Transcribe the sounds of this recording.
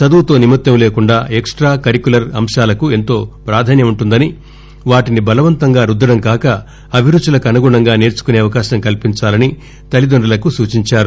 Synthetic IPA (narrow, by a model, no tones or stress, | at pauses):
t͡ʃɐd̪uwt̪o̞ːnimɐt̪jɐmleːkuɳɖaːʔeksʈɾaːkɐɾikulɐɾɐmʂaːlɐkue̞nt̪o̞ːpɾaːd̪ʱaːnjɐmuɳʈund̪ɐni | ʋaːʈinibɐlɐʋɐnt̪ɐŋɡaːɾud̪ːɐɽɐmkaːkɐ | ɐbʱiɾut͡ʃːulɐkɐnɐɡuɳɐŋɡaːne̞ːɾt͡ʃu̥kune̞ːɐʋɐkaːʃɐmkɐlpiɲt͡ʃaːlɐni | t̪ɐlid̪oɳɖɐlɐkusuːt͡ʃiɲt͡ʃaːɾu